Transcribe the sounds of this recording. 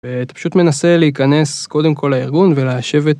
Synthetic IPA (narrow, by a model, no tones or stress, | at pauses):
vet̪pḁʃut̪me̞nase̞leikane̞sko̞d̪e̞mkʰo̞laiʁɡunvelaʃe̞vet̪